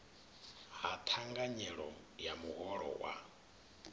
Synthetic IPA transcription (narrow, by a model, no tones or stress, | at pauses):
ɦat̪ʰaŋɡaɲɛɺɔ | jamuɦɔɺɔ̰wa̰